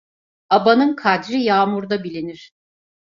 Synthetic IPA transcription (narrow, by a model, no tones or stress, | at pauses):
abanɯnkʰad̪ɾijaːmuɾd̪abilʲiniɾ̥